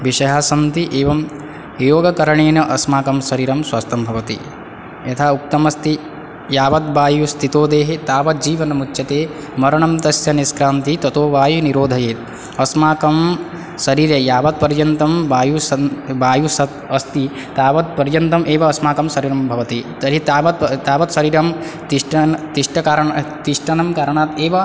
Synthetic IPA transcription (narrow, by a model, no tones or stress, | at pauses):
ʋiʃɐjaːsɐnt̪iʔeːʋɐm | joːɡɐkɐɾɐɳeːnɐʔɐsmaːkɐmsɐɾiːɾɐmswaːst̪ɐmbʱɐʋɐt̪ḭ | jɐt̪ʰaːuk̚t̪ɐmɐst̪i | jaːʋɐt̪̚baːjust̪ʰit̪oːd̪eːɦet̪aːʋɐt̪̚d͡ʒiːʋɐnɐmutːʃjɐt̪eː | mɐɾɐɳɐmt̪ɐsjɐniskɾaːnt̪it̪ɐt̪oːʋaːjuniɾoːd̪ʱɐjeːt̪̚ | ɐsmaːkɐm | sɐɾiːɾjɐjaːʋɐt̪̚pɐɾjɐnt̪ɐmbaːjusɐbaːjusɐt̪ɐst̪i | t̪aːʋɐt̪̚pɐɾjɐnt̪ɐmʔeːʋɐːsmaːkɐmsɐɾiːɾɐmbʱɐʋɐt̪it̪ɐɾit̪aːʋɐt̪t̪aːʋɐt̪sɐɾiːɾɐmt̪iʂʈɐt̪iʂʈɐkaːɾɐɳt̪iʂʈɐnɐmkaːɾɐɳaːt̪eːʋɐ